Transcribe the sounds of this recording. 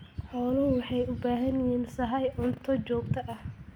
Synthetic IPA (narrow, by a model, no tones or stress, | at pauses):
ħɔːlʊwɑħɑjʊbaːɦɐnjiːnsɐɦɐjʕʊnt̪ʰɔt͡ʃɔːɡt̪ʰɐʔɐh